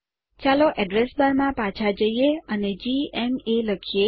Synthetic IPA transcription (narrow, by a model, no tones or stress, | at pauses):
t͡ʃaloʔɛɖɾesbaɾmãpãt͡ʃʰad͡ʒəijeəned͡ʒiemeləkʰije